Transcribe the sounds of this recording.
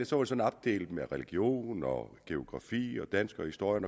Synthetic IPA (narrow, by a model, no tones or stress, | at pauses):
esɒʋɑ̈de̝sɒ̽n̩ɑb̥̚d̥ḛːld̥meʁɛliɡ̥jo̝̰ːnɒɡ̥e̝o̝ɡ̥ʁɑ̈fḭːɒ̽d̥ænsɡ̥ɐɒhisd̥o̝ɐ̰jənɒ